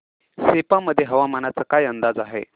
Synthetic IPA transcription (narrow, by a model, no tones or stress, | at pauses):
sepaməd̪ʱːjeɦəʋamənat͡səkajənd̪ad͡zaɦḛ